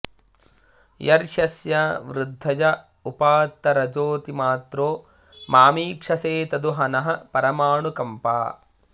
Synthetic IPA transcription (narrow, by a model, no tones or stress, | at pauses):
jɐɾʃɐsjɐʋɾud̪ʱːɐd͡ʒɐ | upaːt̪ːɐɾɐd͡ʒoːt̪imaːt̪ɾoː | maːmiːkʂɐseːt̪ɐd̪uɦɐnɐɦɐpɐɾɐmaːɳukɐmpa̰ː